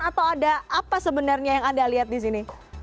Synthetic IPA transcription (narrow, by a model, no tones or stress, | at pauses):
at̪awadaʔapasəbənarɲajaŋadaliɦat̪̚dis̬ini